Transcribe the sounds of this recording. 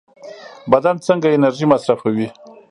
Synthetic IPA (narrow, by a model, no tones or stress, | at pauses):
bad̪ant͡səŋɡaɪnaɾʒimasɾafawi